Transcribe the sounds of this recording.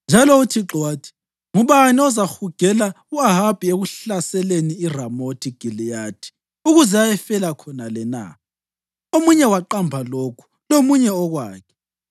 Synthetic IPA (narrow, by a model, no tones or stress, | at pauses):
nd͡ʒʱalɔutʰiǁɔwaːtʰi̥ | ŋuβaniɔzaxuɡ̥ʱɛla | uaɦab̥ʱieɣuɬasɛleniiramotʰiɡ̥ʱilijaːtʰi̥ | uɣuzɛajɛfɛlakʰɔnalɛna̰ | omuɲɛwaǃambʱalokʰu̥ | lomuɲɛɔɣwaːkʰɛ̥